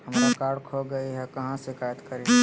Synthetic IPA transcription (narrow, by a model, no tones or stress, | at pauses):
hɐmɾakaːɽkʰoɡɐiɦɛkɐɦãsekaːjət̪kɐɾe